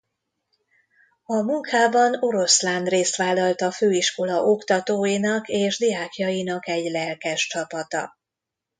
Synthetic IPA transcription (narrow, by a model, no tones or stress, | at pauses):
ɒmuŋkʰaːbɒno̞ɾo̞sland̪reːst̪ʋaːlːɒlt̪ɒføːiʃko̞lɒʔo̞kt̪ɒt̪oːjinɒkeːʒd̪ijaːkjɒjinɒkɛɟlɛlkɛʃt͡ʃɒpɒt̪ɒ̰